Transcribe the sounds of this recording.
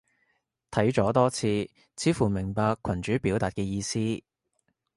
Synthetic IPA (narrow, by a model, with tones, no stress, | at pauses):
t̪ʰɐ˨˥jt͡ʃɔː˨˥t̪ɔː˥t͡sʰiː˧ | t͡sʰiː˨˥fuː˨˩mɪ˨˩ŋpaː˧kʷʰːɐ˨˩nt͡ʃyː˨˥piː˨˥wt̪aː˨t̚kɛː˧jiː˧siː˥